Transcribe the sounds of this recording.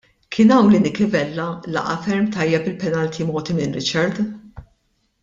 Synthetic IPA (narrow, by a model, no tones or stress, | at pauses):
kʰɪːnɐwlɪːnɪkɪvɛlːɐlɐ̰ʔɐ̰fɛɾmt̪ɐjːɛpɪlpɛnɐlt̪ʰimɔːt̪imɪnɾɪt͡ʃɐɾd̪